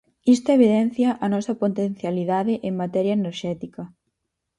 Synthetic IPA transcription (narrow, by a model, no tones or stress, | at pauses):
ist̪oeβ̞iðɛn̟θjɐʔɐnɔsɐpot̪en̟θjaliðaðɪʔeŋmat̪ɛɾjɐeneɾʃɛt̪ikɐ